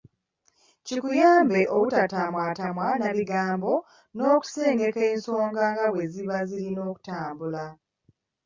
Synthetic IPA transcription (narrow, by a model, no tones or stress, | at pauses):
cikujaːmbe̞ʔoβutatamwaːtamwanaβiɡaːmbo̞ | no̞ːku̥se̞ːne̞ke̞ːnso̞ːŋɡaŋɡaβwe̞ziβaziɾino̞ːku̥taːmbula